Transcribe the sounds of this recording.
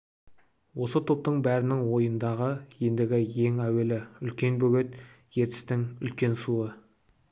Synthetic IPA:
wo̞sət̪ʰo̞p̚t̪əɴbæɾɪnɪŋwo̞jənd̪ɑʁəje̞nd̪ɪɡʲɪje̞ŋæwe̞lɪʏlkʲe̞nbɵɡʲet̪ | je̞ɾt̪ɪ̥st̪ɪŋʏ̰lkʲe̞nsuə

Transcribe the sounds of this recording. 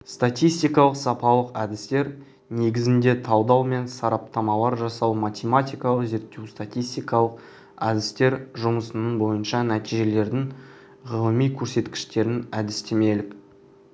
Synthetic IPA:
st̪at̪ʲijst̪ijkɑlˠəqsɑpɑlˠəqæd̪ɪst̪e̞ɾ | ne̞ɡʲɪzɪnd̪e̞t̪ʰɑwd̪ɑwme̞nsɑɾɑp̚t̪ɑmɑlˠɑɾʒɑsɑwmat̪ʲemat̪ʲijkɑlˠəqze̞ɾt̪ːewst̪at̪ʲijst̪ijkɑlˠəq | ɑd̪ɪst̪e̞ɾʒʊməsənəɴbo̞jənʃɑnæt̪ijʒe̞le̞ɾd̪ɪŋ | ʁəlˠəmijkʲʰɵɾse̞t̪kʲɪ̥ʃt̪e̞ɾɪnæd̪ɪst̪e̞me̞lɪk

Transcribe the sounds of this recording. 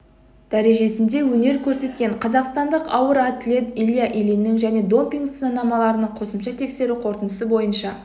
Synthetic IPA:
d̪̥æɾe̞ʒe̞sɪnd̪e̞wɵne̞ɾkʲʰɵɾse̞t̪̚kʲe̞ɴqʰɑzɑqst̪ɑnd̪əqɑwəɾat̪lʲe̞t̪ilʲijaʔilinːɪŋʒæne̞d̪o̞mpʲiŋɡsənɑnɑmɑlˠɑɾənəɴqʰo̞səmʃɑt̪ʰe̞kse̞ɾuqʰo̞ɾt̪ənəsəbo̞jənʃɑ

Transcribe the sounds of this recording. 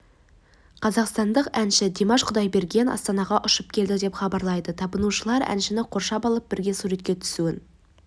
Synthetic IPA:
qʰɑzɑqst̪ɑnd̪əqænʃɪd̪e̞mɑʃqʰʊd̪ɑjbe̞ɾɡʲe̞nɑ̰st̪ɑnɑʁɑʔʊʃəp̚kʲʰe̞ld̪ɪd̪e̞pχɑbɑɾlˠɑjd̪ət̪ʰɑbənuʃəlˠɑɾæ̰nʃɪnɪqʰo̞ɾʃɑpɑlˠəp̚bɪɾɡʲe̞suɾe̞t̪̚kʲe̞t̪ʰʏ̥suɪn

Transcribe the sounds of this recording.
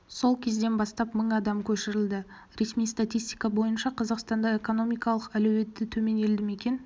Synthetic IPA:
so̞lˠkʲʰe̞zd̪e̞nbɑst̪ɑpməɴɑd̪ɑmkʲʰɵʃɪɾɪld̪ɪ | ɾe̞smijst̪at̪ʲijst̪ijkɑbo̞jənʃɑqʰɑzɑqst̪ɑnd̪ɑe̞ko̞no̞mijkɑlˠəqælɵwe̞t̪ːɪt̪ʰɵme̞ne̞ld̪ɪme̞kʲe̞n

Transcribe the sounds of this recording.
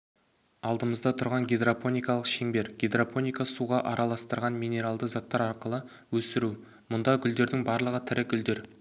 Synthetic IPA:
ɑlˠd̪əməzd̪ɑt̪ʰʊɾʁɑŋɡʲed̪rapo̞nʲijkɑlˠəqʃeŋbe̞ɾɡʲed̪rapo̞nijkasuʁɑʔɑɾɑlˠɑst̪əɾʁɑnmijne̞ɾalˠd̪əzɑt̪ːɑɾɑɾqəlˠə | wɵsɪɾu | mʊnd̪ɑɡʲʏld̪e̞ɾd̪ɪŋbɑɾlˠəʁət̪ʰɪɾɪɡʲʏld̪e̞ɾ

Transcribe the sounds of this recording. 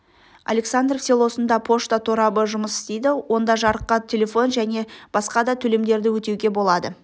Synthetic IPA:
a̰lʲe̞ksand̪rfse̞lˠo̞sənd̪ɑpʰo̞ʃt̪ɑt̪ʰoɾɑbəʒʊməsɪ̥st̪ejd̪ɪwʔo̞nd̪ɑʒɑɾəqːət̪ʰʲe̞lʲe̞fo̞nʒæne̞b̥ɑsqɑd̪ɑt̪ʰɵle̞md̪e̞ɾd̪ɪwɵt̪e̞wɡʲe̞bo̞lˠɑd̪ə

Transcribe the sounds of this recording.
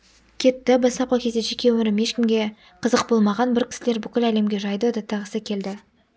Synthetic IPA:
kʲʰe̞t̪ːɪbɑsɑp̚qɑkʲʰe̞zd̪eʒe̞kʲe̞wɵɾɪmje̞ʃkʲɪmɡʲe̞ | qʰəzəq̚bo̞lˠmɑʁɑnbɪɾkʲɪ̥sɪle̞ɾbʏkʲɪlæle̞mɡʲe̞ʒɑjd̪əd̪ɑt̪ʰːɑʁəsəkʲʰe̞ld̪ɪ

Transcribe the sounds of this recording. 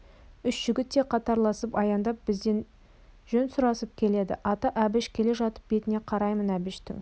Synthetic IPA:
ʏʃʒ̥ʏɡʲɪt̪ːe̞qʰɑt̪ɑɾlˠɑsəpɑjɑnd̪ɑp̚b̥ɪzd̪e̞n | ʒɵnsʊɾɑsəp̚kʲʰe̞le̞d̪ɪ̰ʔɑt̪ɑʔæbɪʃkʲʰe̞le̞ʒɑt̪ə̥p̚be̞t̪ɪne̞qʰɑɾɑjmənæbɪʃt̪ɪ̰ŋ

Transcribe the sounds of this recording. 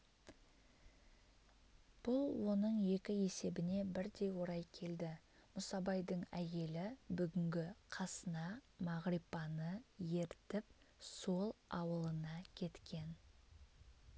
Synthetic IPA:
b̥ʊlˠwo̞nəɴje̞kʲɪe̞se̞bɪne̞bɪɾd̪e̞jwo̞ɾɑjkʲʰe̞ld̪ɪ | mʊsɑbɑjd̪əɴæje̞lɪbʏɡʲɪŋɡʲɪqʰɑsənɑmɑʁɾipɑnəje̞ɾt̪ɪp | so̞lˠɑwəlˠənɑkʲʰe̞t̪kʲe̞n

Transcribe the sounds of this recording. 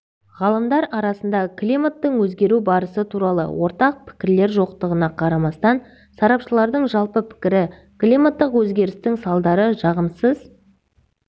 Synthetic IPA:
ʁɑlˠəmd̪ɑɾɑɾɑsənd̪ɑklʲimat̪ːəɴwɵzɡʲe̞ɾubɑɾəsət̪ʰuɾɑlˠə̰wo̞ɾt̪ɑq̚pʰɪ̥kʲɪɾle̞ɾʒo̞q̚t̪əʁənɑqʰɑɾɑmɑst̪ɑn | sɑɾɑpʃəlˠɑɾd̪əɴʒɑlˠpəpʰɪ̥kʲɪɾɪ | klʲimat̪ːəqwɵzɡʲe̞ɾɪst̪ɪŋsɑlˠd̪ɑɾəʒɑʁəmsəz̥

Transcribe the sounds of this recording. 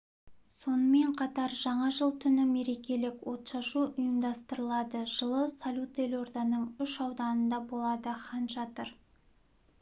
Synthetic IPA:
so̞nəme̞ɴqʰɑt̪ɑɾʒɑɴɑʒəlˠt̪ʰʏnɪme̞ɾe̞kʲe̞lɪkwo̞t̪ʃɑʃuʔʊjəmd̪ɑst̪əɾəlˠɑd̪əʒ̥əlˠəsalʲut̪elo̞rd̪ɑnəɴʏʃɑwd̪ɑnənd̪ɑbo̞lˠɑd̪əχʰɑnʒɑt̪əɾ

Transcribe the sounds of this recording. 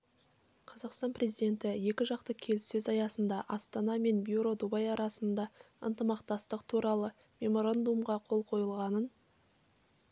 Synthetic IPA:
qʰɑzɑqst̪ɑnpre̞zijd̪e̞nt̪ɪje̞kʲɪʒɑqt̪əkʲʰe̞lɪsːɵzɑjɑsənd̪ɑʔɑst̪ɑnɑme̞nbjuɾo̞d̪ubɑjɑɾʔɑsənd̪ɑ | ə̰nt̪əmɑqt̪ɑst̪əqt̪ʰuɾɑlˠə | me̞mo̞ɾand̪umʁɑqʰo̞lˠqʰo̞jəlˠʁɑnən

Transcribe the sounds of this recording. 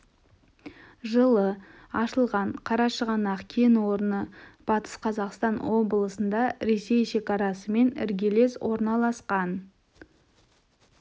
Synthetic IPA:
ʒəlˠə | ɑʃəlˠʁɑɴqʰɑɾɑʃəʁɑnɑqkʲʰenwo̞ɾənəb̥ɑt̪ə̥sqʰɑzɑqst̪ɑnwo̞blˠəsənd̪ɑɾe̞se̞jʃe̞kɑɾɑsəme̞nɪ̰ɾɡʲele̞swʔo̞ɾnɑlˠɑsqɑn

